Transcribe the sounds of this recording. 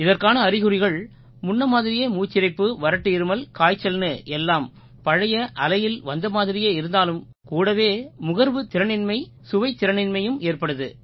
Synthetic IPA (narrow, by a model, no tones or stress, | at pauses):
ɪðɐrkaːnɐːɾɪɣɯɾɪɣɐɭ | mʊnːɐmaːðɪɾɪjeːmuːt͡ʃːɪɾɐɪpːɯʋɐɾɐʈːɯɪɾɯmɐlkaːjt͡ʃːɐlnɯʔɛlːaːm | pɐɻɐjɐʔɐlɐjɪlʋɐnd̪ɐmaːðɪɾɪjeːɪɾɯnd̪aːlɯm | kuːɽɐʋeːmʊɣɐɾʋɯt̪ɪɾɐnɪnmɐɪ | sʊʋɐɪt̪ːɪɾɐnɪnmɐjɯmeːrpɐɽɯðɯ